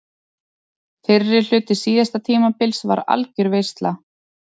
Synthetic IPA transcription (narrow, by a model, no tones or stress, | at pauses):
fɪrːɪɾ̥l̥ʏːt̪ɪ̥siːðast̪at̪ʰiːmapɪlsva̰ɾa̰lcʏɾvejst̪la